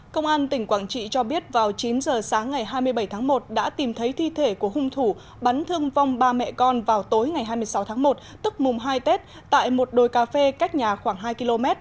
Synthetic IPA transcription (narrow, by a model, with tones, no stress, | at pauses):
kə˧wŋ͡mʔaː˧nt̪ï˧˩ŋ̟kwaː˧˩ŋt͡ɕḭ˧˨t͡ɕɔ˧ɓi˦˥ət̚vaː˨˩wt͡ɕi˨˦nzəː˨˩saː˨˦ŋːa˨˩jɦaː˧jmɨ˧əjɓə˧˩jt̪ʰaː˨˦ŋmo˨˩t̚ɗa̰ː˧˥t̪i˨˩mt̪ʰə˨˦jt̪ʰi˧t̪ʰe˧˩ku˧˩əhʊ˧ŋ͡mt̪ʰu˧˩ | ɓa˨˦nt̪ʰɨ˧əŋva˧wŋ͡mɓaː˧mɛ̰˧˨kɔ˧nvaː˨˩wt̪o˨˦jŋa˨˩jɦaː˧jmɨ˧əsa˨˦wt̪ʰaː˨˦ŋmo˨˩t̚ | t̪ɨ˦˥k̚mʊ˨˩ŋ͡mɦaː˧jt̪e˦˥t̚ | t̪a̰ː˧˨jmo˨˩t̚ɗo˨˩jkaː˧˩fe˧ka˦˥k̚ɲaː˨˩xwaː˧˩ŋɦaː˧jki˧lo˧mɛ˦˥t̚